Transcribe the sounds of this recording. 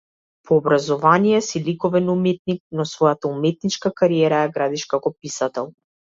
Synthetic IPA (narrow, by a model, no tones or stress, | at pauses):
pʰɔːbɾazɔvanijɛsilikɔvɛnumɛt̪̚nik̚nɔsvɔjat̪aumɛt̪̚nit͡ʃkakaɾiɛɾajaɡɾad̪iʃkakɔpisat̪ɛlˠ